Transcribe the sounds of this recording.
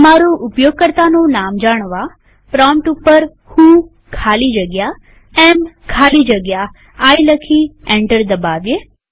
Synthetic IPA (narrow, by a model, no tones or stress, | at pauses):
maɾoʔʊpjoɡ̚kəɾt̪anõnamd͡ʒaɽ̃ʋa | pɾɔmʈupːəɾ | hũ | kʰalid͡ʒəɡja | ɛmkʰalid͡ʒəɡja | ajləkʰiẽɳʈəɾd̪əbaʋje